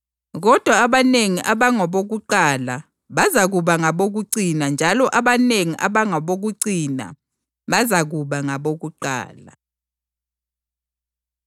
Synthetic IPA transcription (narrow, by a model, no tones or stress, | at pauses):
ɣ̬ɔd̥ʱwaːɓaneŋiʔaɓaŋɔɓok̬uǃala | ɓazaɣ̬uɓaŋaɓok̬uǀinand͡ʒʱalɔʔaɓaneŋiʔa̰ɓaŋɔɓok̬uǀina̰ | ɓazaɣ̬uɓaŋaɓok̬uǃa̰ːla